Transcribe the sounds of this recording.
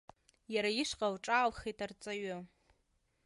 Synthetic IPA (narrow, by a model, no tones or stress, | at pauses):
jaɾaiʂqʼawʈ͡ʂʼaːlχetʰart͡sʼaɥʊ